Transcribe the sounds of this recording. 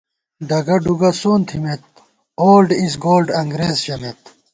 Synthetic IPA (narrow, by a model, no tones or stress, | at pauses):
ɖɐɡɐɖuɡɐsoːnt̪ʰimet̪̚ | oːlɖisɡoːlɖɐŋɡɾeːzɕɐmet̪̚